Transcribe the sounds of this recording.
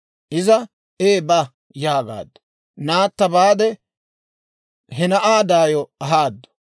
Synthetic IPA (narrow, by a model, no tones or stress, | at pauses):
ʔɪzɐ | eːbɐ | jaːɡa̰ːd̪ːɐ̥ | naːt̪ːɐbaːd̪ɛ | ɦɛnɐʔaːd̪aːjɔɐɦaːd̪ːɔ̥